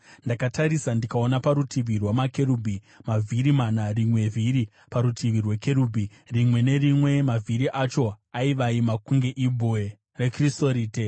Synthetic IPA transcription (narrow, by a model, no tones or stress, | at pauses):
ndakataɾisandikao̞napaɾutʰiʋirwamakeɾuːbʱi | mavʱiɾimanarimwe̞vʱiɾi | paɾutʰiʋirweke̞ɾubʱi | rimwe̞ne̞rimwe̞mavʱiɾiʔat͡ʃo̞aiʋaimakuŋɡe̞ʔibʱoe | rekristoɾiːte